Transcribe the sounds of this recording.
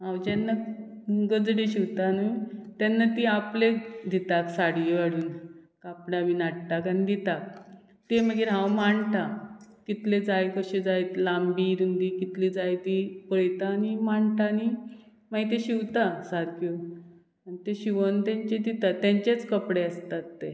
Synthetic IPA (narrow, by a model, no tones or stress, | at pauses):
ɦãwd͡ʑɛnːa | ɡəd͡zɽeɕiʋt̪anuit̪anːat̪iapled̪ʱit̪aksaɽjaɽuːnkapɽaminaʈt̪akanid̪it̪ak̚ | t̪eməɡiɾɦãwmaɳt̪akit̪led͡zajkəɕed͡zajt̪lambiɾund̪ikit̪lid͡zajt̪ipəjt̪aːnimaɳtani | maɡit̪eɕiwt̪asaɾku | anit̪eɕiʋənt̪ãɲt͡ɕed̪it̪at̪jãɲt͡ɕet͡skəpɽeəst̪at̪ːe